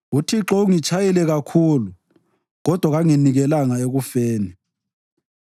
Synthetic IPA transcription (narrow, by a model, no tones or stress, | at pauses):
utʰiǁɔuŋit͡ʃʰajɛlɛɣakʰuːlu | ɣɔd̥ʱwaɣaŋiniɣɛlaŋaeɣufeːni